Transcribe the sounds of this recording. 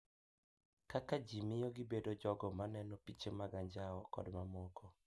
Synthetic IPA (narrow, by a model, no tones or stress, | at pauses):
kakad͡ʒimɪjɔɡɪbedod͡ʒɔɡɔmanɛnɔpit͡ʃemaɡaɲd͡ʒaɔkɔ̰dmamɔkʰɔ